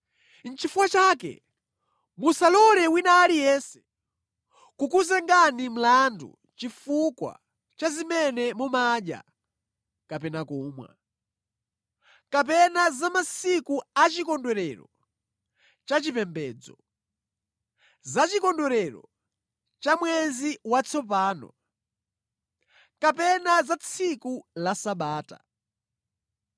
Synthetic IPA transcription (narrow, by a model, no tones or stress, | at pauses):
n̩t͡ʃifukwat͡ʃaːkɛ̰ | musalɔɾɛwinaːlijɛnsɛ̥ | kukuzɛŋɡanim̩landṵ | t͡ʃifukwa̰ | t͡ʃazimɛnɛmɔmaɗja̰ | kapɛnakuːmwa̰ | kap̬ɛnazamasikuat͡ʃikɔndwɛɾɛɾɔ | t͡ʃat͡ʃipɛmbɛːd͡zɔ̰ | zat͡ʃikɔndɛɾɛɾɔ̰ | t͡ʃamwɛziwat͡sʰɔp̬aːnɔ̰ | kapɛnazat͡sʰikulasaɓaːta̰